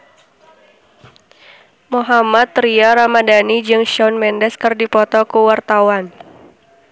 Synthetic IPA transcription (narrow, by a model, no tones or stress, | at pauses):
moɦamat̪riaɾamadanid͡ʒɨŋʃɔnmɛndɛskɨrdipɔt̪ɔkuwart̪awan